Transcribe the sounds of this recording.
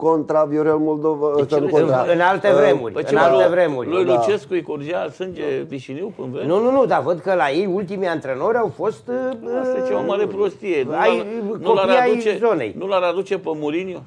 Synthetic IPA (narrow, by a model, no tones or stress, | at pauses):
kont̪ɾavioɾelmold̪ovasənuɨnalt̪evɾe̞mṵrʲpeɨnaalt̪evɾe̞mṵrʲlujlut͡ʃeskuikord͡ʒiasɨnd͡ʒeviʃiniwpɨnvɾenununud̪avəd̪kəlaje̞jult̪imeant̪ɾe̞no̞ɾʲawfo̞st̪st͡ʃevamaɾepɾost̪ieajjnkolpiajt͡ʃezo̞ne̞̰jnulaɾad̪ut͡ʃepəmoɾinjo